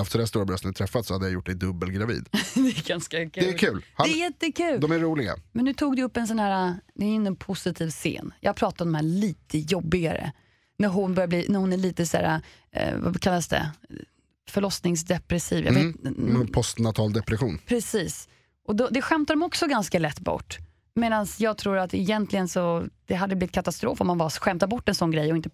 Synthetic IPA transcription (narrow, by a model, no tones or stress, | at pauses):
aft̪sɔd̪æst̪uːɾabɾœst̪ənt̪ʰɾɛfːat̪sɔhad̪ːəjajʊʈ̚ːd̪ɛjd̪ɵbːəlɡɾavḭːd̪d̪ɛɡanskakʰʉd̪ɛːlkʰʉːlhaɛjɛt̪ːəkʰʉ̟ːld̪ɔmæɾːuːlɪɡa̰mɛnːʉt̪ʰuːɡd̪ɛɵpːɛns̬ɔnhæːɾad̪ɛnɛnpʰʊsɪt̪ʰiːvsḛːnjɑ̰ːɡ̚pɾɑːt̪at̪ɔmd̪ɔmhæːɭiːt̪ʰəjɔbːɪɡaɾə̰ | næɾɦʊnbœɾjabliːnæɾhʊnæɭiːt̪əsæ̰ːɾa̰ | va̰kʰalːasd̪ɛ̰ | fœɭɔsnɪŋsd̪ɛpɾɛsiːvjɑ̰veːt̪pʰɔst̪nat̪ʰɑːld̪ɛpɾɛɧuːnpʰɾɛsiːs | ʔɔd̪ɔd̪ɛɧɛmt̪ad̪ɔmɔksɔɡanskalɛt̪ːbɔ̰ʈː | meːd̪ansjɑːɡ̚t̪ʰɾuːɾat̪ɛjɛnt̪ʰlɪɡənsɔd̪̥ɛɦad̪ːəblɪvɪt̪kʰat̪ast̪ɾo̰ːfɔmːanbaɧɛmt̪aɾbɔʈːɛnsɔnɡɾɛjɔɪnt̪ə